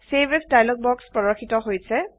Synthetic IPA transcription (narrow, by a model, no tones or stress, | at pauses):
sebesdajlɔɡ̚bɔkspɹɔɹɔxitɔɦojsɛ